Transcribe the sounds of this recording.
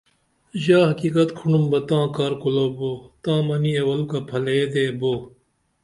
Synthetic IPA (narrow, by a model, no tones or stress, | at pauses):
ʑaːɦɐkiːkɐt̪kʰuɳumbɐt̪ãːkɐɾkuloːboːt̪ãːmɐniewɐlukɐpʰɐleːd̪eːboː